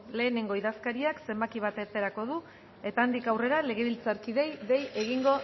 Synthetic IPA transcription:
le̞ːneŋɡo̞iðaskaɾiakse̞mbakiβ̞at̪eɾt̪e̞ɾako̞ð̞u | e̞t̪aːnd̪ikawre̞ɾale̞ɣ̞e̞βilt͡saɾkiðe̞jðe̞je̞ɣ̞iŋɡo̞

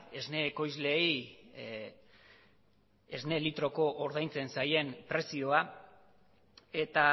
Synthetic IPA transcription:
e̞zne̞ːko̞jzle̞j | ezne̞lit̪ɾo̞ko̞ʔːɾð̞ajnt͡se̞nsaje̞mpɾe̞sio̞a | e̞t̪a

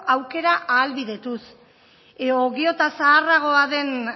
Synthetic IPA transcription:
awke̞ɾaʔaːlβiðe̞t̪us | oɣio̞t̪asaːraɣ̞o̞aðe̞n

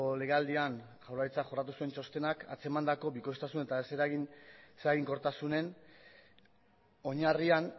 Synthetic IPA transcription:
ole̞ɣeald̪ian | ʝawrait͡sakʝo̞rat̪̬usue̞nt͡ʃo̞st̪e̞naka̰t͡se̞mand̪ako̞biko̞jst̪asune̞t̪aese̞ɾaɣinseaɣiŋko̞ɾt̪asune̞n | o̞ɲarian

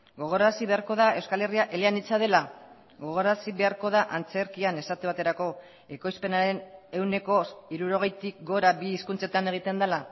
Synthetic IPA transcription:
ɡo̞ɣ̞o̞ɾasiβe̞aɾko̞ðae̞wskale̞riaʔe̞le̞anit͡sað̞e̞la | ɡo̞ɣ̞o̞ɾasiβe̞aɾko̞ðaʔant͡se̞ɾkiane̞sat̪eβ̞at̪e̞ɾako̞ | e̞ko̞jspe̞naɾe̞ne̞wne̞ko̞iɾuɾo̞ɣe̞jt̪ik̚ɡo̞ɾabiːskunt͡se̞t̪ane̞ɣ̞it̪e̞nd̪ala

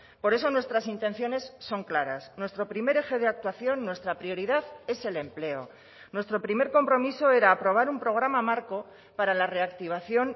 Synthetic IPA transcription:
po̞ɾe̞so̞nwe̞st̪ɾasint̪ẽ̞n̟θjo̞ne̞sːo̞ŋklaɾa̰snwe̞st̪ɾo̞pɾime̞ɾe̞xe̞ð̞eak̚t̪waθjo̞nːwe̞st̪ɾapɾio̞ɾiðaðe̞se̞le̞mple̞o̞̰ | nwe̞st̪ɾo̞pɾime̞ɾko̞mpɾo̞miso̞e̞ɾaːpɾo̞β̞aɾumpɾo̞ɣ̞ɾamamaɾko̞ | paɾalare̞akt̪iβ̞aθjo̞n

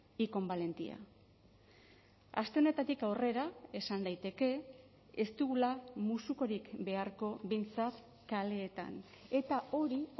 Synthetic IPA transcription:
iko̞mbale̞nt̪ia̰ | ast̪e̞o̞ne̞t̪at̪ikawre̞ɾae̞sand̪ajt̪e̞ke̞ | est̪uɣulamusuko̞ɾikbe̞aɾko̞βe̞jnt͡sat̪ | kale̞ːt̪a̰n | e̞t̪ao̞ɾi

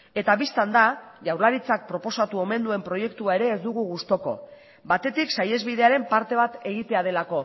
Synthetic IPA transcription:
e̞t̪aβist̪and̪aʝawɾlaɾit͡sak̚pɾo̞po̞sat̪uo̞me̞nd̪ue̞mpɾo̞je̞kt̪uae̞ɾe̞ːzd̪uɣ̞uɣust̪o̞ko̞̰ | bat̪e̞t̪iksaje̞zβið̞e̞aɾe̞mpaɾt̪e̞βat̪e̞ɣit̪e̞að̞e̞lako̞

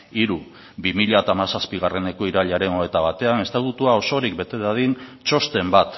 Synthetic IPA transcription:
iɾu | βimiʎat̪aːmasaspiɣ̞are̞ne̞ko̞iɾaʎaɾe̞noe̞t̪aβ̞at̪e̞ane̞st̪at̪ut̪uao̞so̞ɾik̚be̞t̪e̞ðaðint͡ʃo̞st̪e̞mbat̪

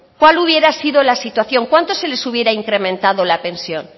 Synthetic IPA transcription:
kwaluβje̞ɾasiðo̞lasit̪waθjo̞ŋkwant̪o̞se̞le̞suβ̞je̞ɾaiŋkɾe̞mẽnt̪aðo̞lapẽ̞nsjo̞n

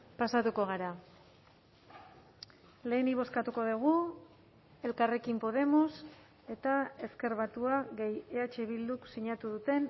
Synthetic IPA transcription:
pasat̪uko̞ɣ̞aɾa | le̞ːniβ̞o̞skat̪uko̞ðuɣ̞u | e̞lkare̞kimpo̞ð̞e̞mos | e̞t̪ae̞ske̞ɾβat̪uaɣe̞jeat͡ʃe̞βild̪uksiɲat̪uðut̪e̞n

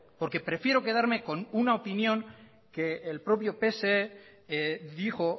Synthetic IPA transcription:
po̞ɾke̞pɾe̞fje̞ɾo̞ke̞ðaɾme̞ko̞nunaopinjõ̞ŋ | ke̞ːlpɾo̞pjo̞pe̞see | ðixo̞

